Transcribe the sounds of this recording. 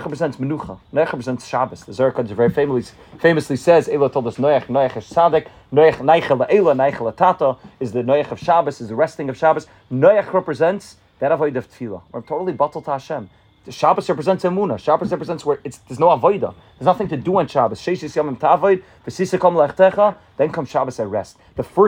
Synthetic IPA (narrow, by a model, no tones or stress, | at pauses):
χɹɛpɹəzɛ̃ntsmənuχə̰nɔɪaχɹɛpɹəzɛntsʃabəsðəzɔɪɹəkʰɔdəəvɛɹifeɪmlˠi | feɪməslˠisɛzeɪlˠətʰɔlˠdəsnɔɪaχnɔaχɪz̥t͡sadɪk | nɔɪaχnaɪχəlˠəʔeɪlˠənaɪχəlˠətʰatəɪzðənɔɪaχəv̥ʃabəsɪzðəɹɛstɪ̃ŋɔv̥ʃabəs | nɔɪaχɹɛpɹəzɛ̃nts | ðəɾavoɪdəv̥tfilˠə̰wə̰ɹtʰoʊɾlˠibɔtl̩ˠtʰəaʃɛ̃m | ʃabəsɹɛpɹəzɛ̃ntsɛmunəʃabəsɹɛpɹəzɛ̃ntswə˞ɪtsðəznoʊavoɪdə̰ | ðəznaθɪ̃ŋtʰəduɪ̃nʃabəsʃeɪʃɪsjɔmɪ̃mtʰəavɔɪd̚ | vəsiz̥səkʰɔmlˠəɛχtʰɛχə | ðɛ̃nkʰʌ̃mz̥ʃabəsəɹɛst | ðəfɜ